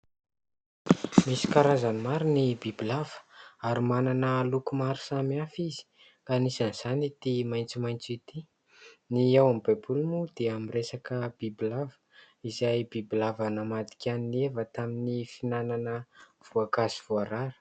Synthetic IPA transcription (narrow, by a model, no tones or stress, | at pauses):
misi̥kaɾazanimaɾinibibilav̥ə̥aɾimananəlukumaɾi̥samafizi̥ | kanisanz̥anit̪imajnt͡simajnt͡sit̪i | niawamibajbulumud̪̥eamiresakəbibilavə̥ | izajbibilavanəmad̪i̥kʰʲaninevət̪aminifinananə | v̥uakaziv̥uaɾaɾə̥